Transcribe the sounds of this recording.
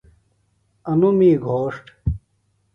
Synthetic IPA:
ɐnumiːɡʱoːʂʈ

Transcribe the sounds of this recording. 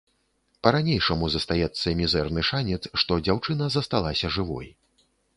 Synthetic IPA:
pɐɾanʲejʂɐmuzɐst̪ajɛt̪sːɐmʲizɛrnɨʂanʲɛt̪sʂt̪ɔd͡zʲawt͡ʂɨn̪ɐzɐst̪alˠasʲɐʐɨvɔ̰j

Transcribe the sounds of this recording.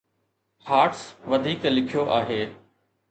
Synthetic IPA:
haːʈsʋɐd̪ʱiːklɪkʰijoʔaːɦeː

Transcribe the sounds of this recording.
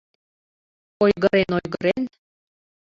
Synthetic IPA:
ojɣəɾenojɣəɾen

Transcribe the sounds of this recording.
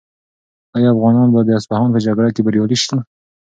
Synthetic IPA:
ajɑafɣɑnɑnbɑd̪əaspahɑnpəd͡ʒaɡɽakebaɾjɑliʃt̪a

